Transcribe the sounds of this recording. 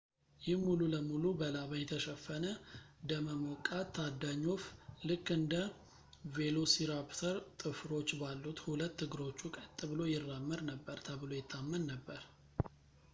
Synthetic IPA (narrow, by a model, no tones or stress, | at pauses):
jɪhmululəmulubəlaβəjɛt̪ʰəʃəfːənəd̪əməmokʼat̪ʰːad̪ːaɲːo̞flɨkːɨnd̪ə | ve̞losiɾapt̪ʰəɾt̪ʼɨfɾo̞t͡ʃːbalːut̪hulət̪ːɨɡɨɾo̞t͡ʃːukʼət̪ʼːɨβɨlo̞jɪrːamːɨɾnəbːəɾt̪ʰəβɨlojɛt̪ʰːamːənnəbːəɾ